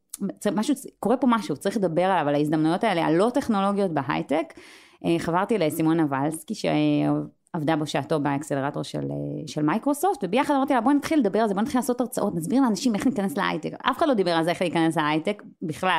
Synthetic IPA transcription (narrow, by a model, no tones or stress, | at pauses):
t͡smaʃuko̞ʁepo̞maʃut͡saɐʁiχle̞d̪abeʁalavalaizd̪amnujo̞tae̞lea̰lːo̞ate̞χno̞lo̞ɡjo̞t̚beɦa̰jtek | eχavaʁt̪ilesimo̞navalskiʃḛ | ovd̪aboʃaato̞beːkseleʁato̞ʁʃḛlḛʃelmajkʁo̞so̞ftvebejaχadamaʁt̪ialabonat̪χilːed̪abe̞ʁalzebonat̪χilaːsotaʁt͡saʔo̞tnas̬biʁleanaʃime̞χnikanesleʔa̰jteka̰fe̥χadlo̞d̪ibeʁalzeeχliikane̞sleajtek | biχlal